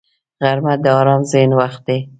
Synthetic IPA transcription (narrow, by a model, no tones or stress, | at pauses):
ɣaɾmad̪əɑɾɑmzenwaxt̪̚d̪e